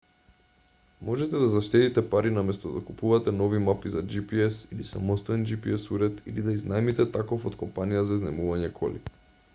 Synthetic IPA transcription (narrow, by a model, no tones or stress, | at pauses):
mɔʒɛt̪ɛd̪azaʃt̪ɛt̪it̪ɛpaɾinamɛst̪ɔd̪akupuvat̪ɛnɔvimapizad͡ʒipiɛsilisamɔst̪ɔɛnd͡ʒipiɛsuɾɛt̪ilid̪aiznaɛmit̪ɛt̪akofot̪kɔmpanijazaiznɛmuvaɲɛkʰɔ̰lḭ